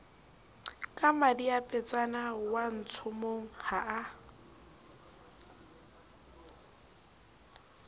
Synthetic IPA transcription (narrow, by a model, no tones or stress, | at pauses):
kʼamadiapʼɛt͡sʼanawan̩t͡sʰʊmoŋ̩haʔa